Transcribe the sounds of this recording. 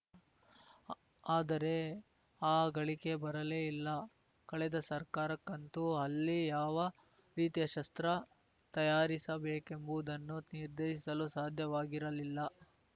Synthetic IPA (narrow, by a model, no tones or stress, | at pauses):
aːd̪ɐɾe̞ | aːɡɐɭike̞bɐɾɐleːilːɐ | kɐɭɛd̪ɐsɐɾkaːɾɐkːɐnt̪uɦɐlːijaːʋɐ | ɾiːt̪ijɐʃɐst̪ɾɐ | t̪ɐjaːɾisɐbeːke̞mbuːd̪ɐnːuniɾd̪eːʃisɐlusaːd̪ʱjɐʋaːɡiɾɐlilːɐ